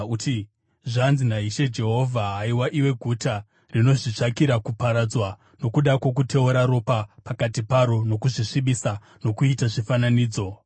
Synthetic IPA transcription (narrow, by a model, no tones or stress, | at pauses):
ti | ʐanzinaɦiʃe̞d͡ʒe̞ɦo̞vʱaɦaiwaʔiwe̞ɡʱuta | rino̞ʐit͡ʂakiɾakupaɾad͡zwa | no̞kuɗakwo̞k̬utʰe̞uɾaɾo̞papakatipaɾo̞no̞kuʐiʂiɓisa | no̞kuitaʐifananiːd͡zo̞